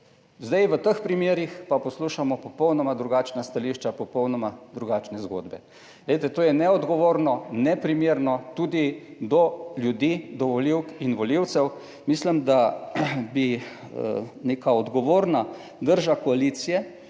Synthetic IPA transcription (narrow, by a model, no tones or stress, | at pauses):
zd̪ajʋət̪əxpɾimjeːɾixpapɔsluʃamɔpɔpɔwnɔmad̪ɾuɡat͡ʃnast̪aliʃt͡ʃapɔpɔwnɔmad̪ɾuɡaːt͡ʃnɛzɡo̰d̪bɛ | leɪt̪ɛt̪oːjɛnɛɔd̪ɡɔʋoːɾnɔnɛpɾimjeːɾnɔt̪uːd̪id̪ɔljud̪iːd̪ɔʋɔliwkinʋɔliw̪sɛw | mislimd̪a | bi | neːkaɔd̪ɡɔʋoːɾna | d̪əɾʒakɔaliːt̪sijɛ